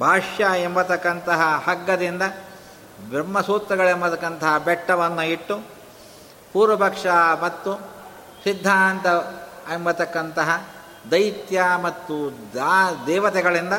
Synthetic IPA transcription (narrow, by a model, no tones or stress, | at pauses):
bʱaːʂjaːembɐt̪ɐkːɐnt̪ɐɦɐhɐɡːɐd̪ind̪ɐ | bɾɐmːɐsuːt̪ɾɐɡɐɭembɐt̪ɐkːɐnt̪ɐɦɐbɛʈːɐʋɐnːuiʈːu | puːɾʋɐbʱɐkʂaːmɐt̪ːu | sid̪ʱːaːnt̪ɐembɐt̪ɐkːɐnt̪ɐɦɐ | d̪ɐjt̪jamɐt̪ːud̪d̪ɛːʋɐt̪ɛɡɐɭind̪ɐ